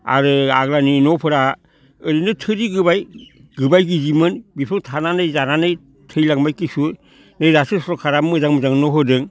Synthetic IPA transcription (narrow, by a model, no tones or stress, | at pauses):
a̰ɾɯa̰ɡlaninɔpʰɯɾa | ɯɾinɯtʰɯɾiɡɯbaj | ɡɯbajɡizimɯnbipʰɯŋtʰananɯjzananɯj | tʰɯjlaŋmajkisu | nɯjɾasɯsɾɔkʰaɾamɯzaŋmɯzaŋnɔɦɯdɯŋ